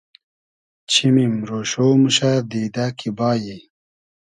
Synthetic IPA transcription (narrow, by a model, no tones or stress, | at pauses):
t͡ɕʰimimɾoːɕoːmuɕad̪iːd̪akʰibaːji